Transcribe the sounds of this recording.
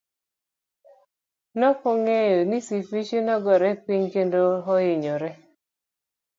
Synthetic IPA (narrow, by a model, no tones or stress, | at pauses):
nɔkɔŋejonisifit͡ʃinɔɡɔɾɛpiɲkendoɦɔjɪɲɔɾɛ